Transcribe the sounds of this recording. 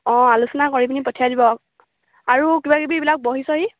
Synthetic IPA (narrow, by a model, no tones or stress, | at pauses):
ɔ̃alusɔnakoɹibinipɔtʰijadibɔk | aɹukibakibibilak̚boɦisɔɦi